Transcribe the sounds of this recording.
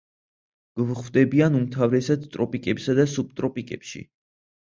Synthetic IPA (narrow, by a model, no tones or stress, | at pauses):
ɡ̥vχvd̪ɛbianumt̪ʰavɾɛsad̪t̪ʼɾɔpʼikʼɛpsad̪asub̚t̪ʼɾɔpʼikʼɛpʃḭ